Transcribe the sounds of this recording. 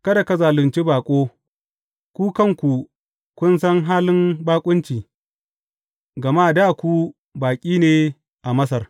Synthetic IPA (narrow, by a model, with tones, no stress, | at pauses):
kɐ˦da˨kɐ˦zaː˨lʊ˨nt͡ʃi˦baː˨kʷʼoː˦ | kʷuː˦kɐ˦˨ŋkʷu˨ | kʷʊ˦nsɐ˦ŋɦaː˦lɪ˦mbaː˦kʷʼʊ˦nt͡ʃiː˨ | ɡɐ˨maː˦˨da˦˨kʷu˦ | baː˨kʲʼiː˦neː˨ | ʔa˨mɐ˦s̬ɐ˨r